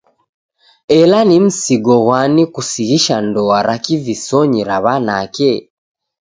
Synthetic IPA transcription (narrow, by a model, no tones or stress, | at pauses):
elanim̩siɡoɣwanikusiɣiʃandoaɾakivisoɲiɾaβanake